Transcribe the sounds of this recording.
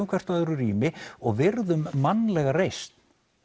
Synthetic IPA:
wŋkʰvɛr̥t̪aðʏɾʏrḭːmɪɔɣvɪɾðʏmːanːlɛɣarejst̪n

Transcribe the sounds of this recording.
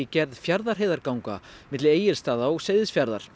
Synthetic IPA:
icɛɾðfjaɾðaɾ̥ɦejðaɾkawŋka̰mɪt̪lɪeːjɪɾ̥st̪aːðaɔɣseːjðɪsfjaɾðaɾ̥

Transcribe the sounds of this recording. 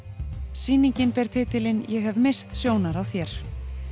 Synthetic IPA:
siːniɲcɪnpɛɾ̥t̪ʰɪːt̪ɪlɪnjɛɣɦɛvmɪst̪sjoːwnaɾawθjɛɾ̥

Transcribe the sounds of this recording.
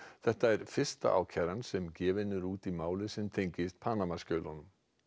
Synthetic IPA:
θɛht̪aɛɾ̥fɪr̥st̪a̰ʔa̰wcʰɛɾansɛmcɛːvɪnːʏɾuːt̪imaːwlɪsɛmt̪ʰejɲcɪst̪̚pʰaːnamascœːlɔnʏm

